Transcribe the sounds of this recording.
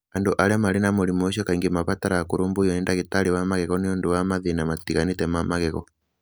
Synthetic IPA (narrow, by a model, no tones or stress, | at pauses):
anduʔalɛamalinamulimuʃ̬ɔkaiŋɡimapataɾakuɾumbujɔɛndakitaliwamakɛkɔniɔnduwamaðinamatikanitɛmamakɛkɔ